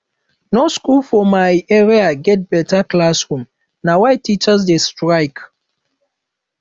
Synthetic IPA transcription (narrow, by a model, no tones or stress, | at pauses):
noskulfɔmajɛɹiaɡɛt̚b̥ɛtaklasɹũm | nawajtit͡ʃəsdestɹaɪk